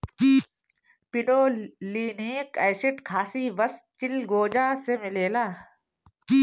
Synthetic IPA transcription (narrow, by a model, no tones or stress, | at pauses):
i | pɪɖoːliːnekɛːsɪʈkʰaːsiʋəst̪̚t͡ʃɪlɡoːd͡ʒaːsemɪleːlaː